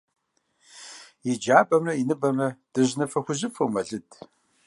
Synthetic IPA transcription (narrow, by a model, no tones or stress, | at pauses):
jɪd͡ʒaːbɐmrɐinɨbɐmrɐd̥ɨʑnɐfɐxʷʊʑɨfɨwmɐɮɨdʰ